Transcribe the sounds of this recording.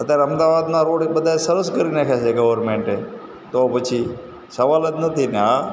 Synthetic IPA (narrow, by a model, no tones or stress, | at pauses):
ət̪jaɾeəmd̪aːʋaːd̪nãɾoːɽebəd̪ʱaesəɾəskəɾinakʰat͡ʃʰeɡəʋəɾmẽːɳʈẽ | t̪opət͡ʃʰi | səʋaːlət̪nət̪ʰina